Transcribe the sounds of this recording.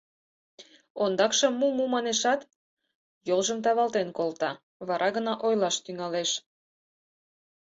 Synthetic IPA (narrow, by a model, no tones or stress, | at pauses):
ond̪ɑkʃɤ̆mːumumɑneʃɑt̪ | jolʒəmt̪̬ɑβɑlt̪enkolt̪ɑ | βɑɾʔɑɣənɑʔojlɑʃt̪yŋɑleʃ